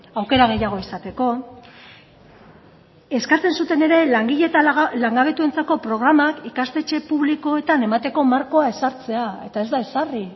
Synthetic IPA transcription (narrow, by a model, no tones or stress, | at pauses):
awke̞ɾaɣe̞jaɣ̞o̞isat̪e̞ko̞ | e̞skat͡se̞nsut̪e̞ne̞ɾe̞laŋɡiʎe̞t̪alaŋɡaβ̞e̞t̪ue̞nt͡sako̞pɾo̞ɣ̞ɾamakikast̪e̞t͡ʃe̞puβliko̞e̞t̪ane̞mat̪e̞ko̞maɾko̞ae̞saɾt͡se̞ae̞t̪ae̞zd̪ae̞sari